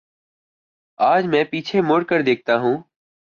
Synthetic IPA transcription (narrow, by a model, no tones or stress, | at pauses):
aːd͡ʒmɛ̃ːpiːt͡ʃʰeːmoːɽkəɾd̪eːk̚ʰt̪aːɦũː